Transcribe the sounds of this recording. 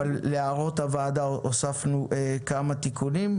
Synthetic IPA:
alːeaʁo̞tavaːd̪aʔosafnuʔekamat̪ikʰunim

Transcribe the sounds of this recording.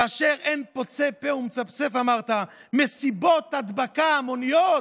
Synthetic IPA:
aaʃeʁenpot͡sepeumet͡sapt͡sefamaʁt̪amesibot̪had̪bakaːmonijo

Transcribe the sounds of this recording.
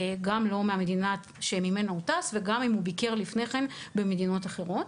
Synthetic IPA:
ɡamlo̞meamedina | ʃemime̞noutasveɡamimhubike̞ʁlifne̞χe̞nbe̞medino̞taχe̞ʁo̞t

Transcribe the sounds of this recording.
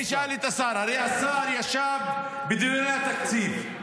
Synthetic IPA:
ʃaːlit̪ɐsaːɾaɾeasaːɾjaʃaːb̚ | bid̪uɾat̪ɐksiːt̪

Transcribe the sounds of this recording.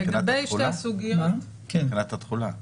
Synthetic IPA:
eɡabejʃesuɡian | kennat̪at̪χula

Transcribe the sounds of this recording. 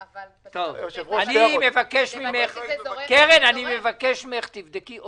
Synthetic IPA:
t̪ovanimevakeʃmimeχkeʁenanimevakeʃmeχt̪ivd̪eki

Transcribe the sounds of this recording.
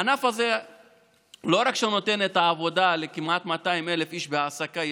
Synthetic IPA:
anafaze | lo̞ɾakʃeuno̞t̪e̞ne̞t̪aːvo̞d̪ale̞kimʔat̪mat̪aime̞le̞fiʃbeasaka

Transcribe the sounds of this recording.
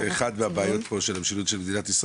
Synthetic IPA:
eχad̪veabeajo̞t̪po̞ʃelamʃilut̪ʃelmed̪inat̪isʁa

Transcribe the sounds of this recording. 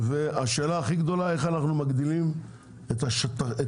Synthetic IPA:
veaʃe̞ːlaːχiɡd̪o̞lae̞χanaχnumaɡd̪ilim | et̪aʃt̪ae

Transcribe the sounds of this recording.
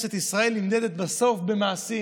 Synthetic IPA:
ʃet̪isʁae̞limd̪ed̪et̪baso̞fbemaːsi

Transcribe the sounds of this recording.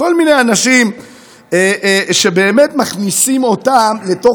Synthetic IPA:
ko̞lmine̞janaʃim | eʃe̞beːmetmaχnisimo̞tamle̞to̞

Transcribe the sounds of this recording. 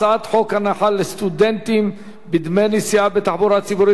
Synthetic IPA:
at̪ħo̞khanaħalːest̪ud̪ent̪im | bid̪mejnisiabet̪aħbuɾat͡sibuɾi

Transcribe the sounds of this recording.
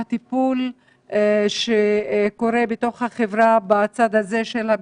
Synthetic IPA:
at̪ipul | ʃeko̞ʁe̞bet̪o̞χhaχevʁabat͡sad̪aze̞ʃelha

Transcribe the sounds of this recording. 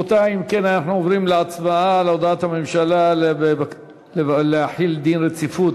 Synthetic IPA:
ot̪aimke̞nanaħnuovʁimleat͡smaaleod̪aat̪hamemʃalalee | eleaħild̪inʁet͡sifut̪

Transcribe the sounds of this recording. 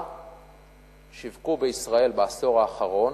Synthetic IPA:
ʃivkubeisʁae̞lbaaso̞ʁaːχaʁo̞n

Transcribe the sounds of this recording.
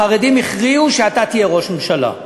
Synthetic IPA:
aʁed̪imiχʁiuʃeat̪at̪ijeʁo̞ʃmemʃala̰

